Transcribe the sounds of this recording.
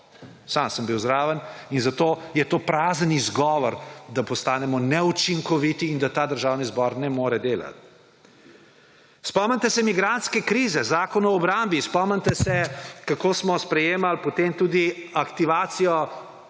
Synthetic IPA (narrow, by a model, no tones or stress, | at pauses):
saːmsəmbiwzɾaːʋəninzat̪oːjɛt̪oːpɾaːzənizɡɔːʋɔɾd̪apɔst̪aːnɛmɔnɛut͡ʃiŋkɔʋit̪iːnd̪at̪aːd̪əɾʒaːwnizbɔɾnɛmoːɾɛd̪eːla̰t̪̚ | spɔmənt̪ɛsɛmiɡɾant̪skɛkɾiːzɛzaːkɔnɔːbɾambispɔmənʲt̪ɛsɛkakoːsmɔspɾɛjeːmalpot̪emt̪uːd̪iakt̪iʋaːt̪sijɔ